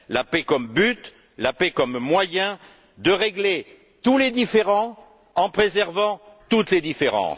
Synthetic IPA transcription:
lapɛkɔmbyt̪ | lapɛkɔmːwajɛ̃ | d̪əʁeɡle | t̪uled̪ifeʁɑ̃ | ɑ̃pχezɛʁvɑ̃t̪ut̪led̪ifeʁɑ̰̃s

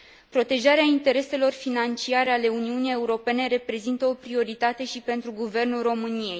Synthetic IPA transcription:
pɾo̞t̪e̞ʒaɾeaint̪e̞ɾe̞se̞lo̞rfinant͡ʃiaɾeale̞uniunije̞uɾo̞pe̞ne̞ɾe̞pɾe̞zint̪əo̞pɾio̞ɾit̪at̪e̞ʃipe̞nt̪ɾuɡuve̞rnulro̞mɨnije̞j

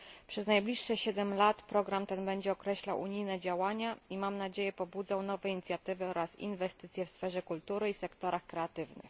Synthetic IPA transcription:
pʂɛznajblʲiʂːɛɕɛd̪ɛmlat̪pɾɔɡɾamt̪ɛnbɛɲd͡ʑɛɔkɾɛɕlawʔṵɲijnɛd͡ʑawaɲaimamnad͡ʑejɛpɔbud̪zawn̪ɔvɛiɲit̪sʲjat̪ɘvɘɔɾasḭnvɛst̪ɘt̪sjɛfsfɛʐɛkult̪uɾɘisɛkt̪ɔɾaxkɾɛat̪ɘvnɘ̰x

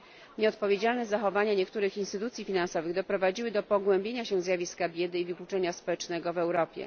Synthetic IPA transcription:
ɲɛɔt̪̚pɔvʲjed͡ʑalnɛzaxɔvaɲaɲɛkt̪uɾɘxinst̪ɘt̪ut̪sʲjifʲinansɔvɘɣd̪ɔpɾɔvad͡ʑiwɘd̪ɔpɔɡwɛmbʲjeɲaɕɛzʲjavʲiskabʲjɛd̪ɘivɘklut͡ʂɛɲaspɔwɛt͡ʂnɛɡɔvɛwɾɔpʲjɛ̰

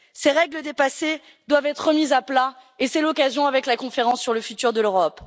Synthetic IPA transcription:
seʁɛɡləd̪epase | d̪wavɛt̪χəmizaplaesɛlɔkazjɔ̃avɛklakɔ̃feʁɑ̃sːyʁləfyt̪yʁd̪əløʁɔp

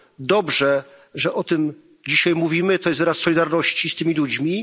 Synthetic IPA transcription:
d̪ɔbʐɛ | ʐɛʔɔt̪ɘm | d͡ʑiɕajmuvʲimɘt̪ɔjɛst̪vɾasːɔlʲid̪aɾnɔɕt͡ɕist̪ɘmʲilud͡ʑmʲi

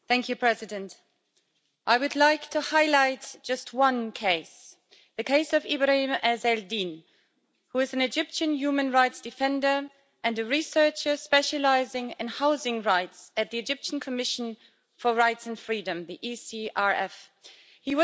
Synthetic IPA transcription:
θæ̃ŋkʰjɨpʰɹ̥ɛzɨdɨ̃nt | ʔaɪwɨdˡlaɪktʰɨhaɪlaɪtd̥ʒ̥ʌst̚wʌ̃nkʰeɪs | ðɨkʰeɪsʌvɪbɹahĩmɨzɛldĩn | huɨzn̩ɨd͡ʒɪpʃɨ̃njʉmɨ̃nɹaɪtsd̥ɨfɛ̃ndə˞ | ɨ̃nɨɹisɜ˞t͡ʃə˞spɛʃɨlaɪzɪ̃ŋɨ̃nhaʊzɪ̃ŋɹaɪtsɨt̪̚ðiɨd͡ʒɪpʃn̩kʰɨmɪʃn̩ | fə˞ɹaɪtsɨ̃n̩fɹiɾɨ̃mðiʔisiɑɹɛf | hiwʌ

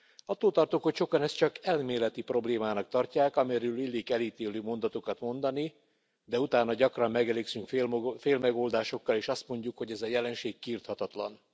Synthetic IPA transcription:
ɒt̪ːoːlt̪ɒrt̪ukhocʃo̞kɒnɛst̪t͡ʃɒkɛlmeːlɛt̪ipro̞bleːmaːnɒk̚t̪ɒrcaːkɒmɛɾylilːiːkɛliːt̪eːløːmo̞nd̪ɒt̪okɒt̪mo̞nd̪ɒni | d̪ɛut̪aːnːɒɟɒkrɒmːɛɡɛleːksyŋkfeːlmɛɡoːld̪aːʃo̞kːɒleːʃɒst̪mo̞ɲɟukho̞ɟɛzɒjɛlɛnʃeːkːiːrt̪hɒt̪ɒt̪lɒ̰n

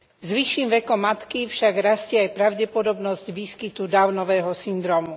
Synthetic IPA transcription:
zʋiʃːiːmʋɛkɔmːat̪kifʃaɡɾascɛajpɾaʊɟɛpɔd̪ɔbnɔzɟʋiːskit̪ud̪aʊnɔʋɛːɦɔsind̪ɾɔːmu

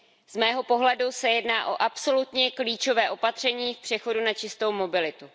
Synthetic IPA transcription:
z̥mɛːɦo̞po̞ɦlɛdusɛjɛdnaːʔo̞ʔapso̞lut̪ɲɛkliːt͡ʃo̞vɛːʔo̞pat̪r̝̥ɛɲiːfpr̥ɛxo̞dunat͡ʃɪst̪o̞wmo̞bɪlɪt̪u

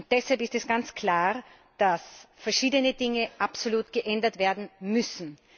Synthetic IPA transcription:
ʊnt̚d̥ɛshalpɪstɛsɡ̥ant͡skʰl̥aːʁ | d̥asfɛɐʃiːdənədɪŋəʔapsoluːtɡ̥əʔɛndɐtv̥eːɐdn̩mʏsn̩

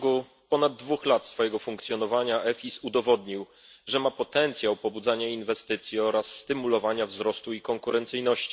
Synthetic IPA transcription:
ɡu | pɔnad̪̚ːvuxlat̪sfɔjɛɡɔfuŋkt̪sʲjɔnɔvaɲaʔɛfʲisud̪ɔvɔd̪ɲiw | ʐɛmapɔt̪ɛnt̪sʲjawpɔbud̪zaɲainvɛst̪ɘt̪sʲjiɔɾasːt̪ɘmulɔvaɲavzɾɔst̪uikɔŋkuɾɛnt̪sɘjnɔɕt͡ɕi

